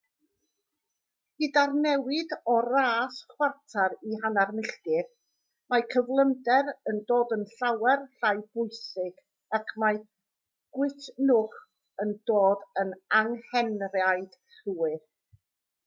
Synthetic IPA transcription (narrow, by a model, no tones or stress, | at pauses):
idarnɛwɪdɔraːsχwartʰaɾiɦanarnəɬdɪr | makʰəvlˠəndɛɾəndoːdənɬawɛrɬajb̥ʊjsɪɡ̥ | akʰmaj | ɡ̥wɪtʰnʊχ | əndoːdənaŋhɛnrjajd̥ | ɬuːɨr